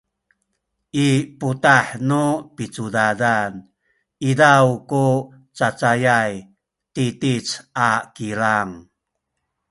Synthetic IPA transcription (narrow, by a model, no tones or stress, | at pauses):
ʔiputaħnupit͡sudadan | idawku | t͡sat͡sajaj | titit͡sakiɾaŋ